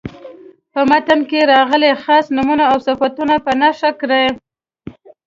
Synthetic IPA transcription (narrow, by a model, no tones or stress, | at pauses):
pəmat̪ənkeɾɑɣəlexɑsnumunaawsafat̪unapənaʂakɾaj